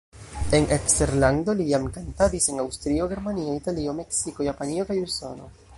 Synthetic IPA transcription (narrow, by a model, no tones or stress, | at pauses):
e̞nekste̞ɾlando̞lijamkantadise̞nawstɾio̞ɡe̞ɾmanioitalio̞me̞ksiko̞japanio̞kajuso̞no̞̰